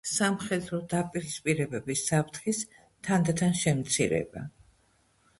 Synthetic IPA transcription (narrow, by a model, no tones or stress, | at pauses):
samχɛd̪ɾɔd̪apʼiɾispʼiɾɛbɛbisːapʰt̪ʰχis | t̪ʰand̪t̪ʰanʃɛmt̪sʰḭɾɛ̰ba̰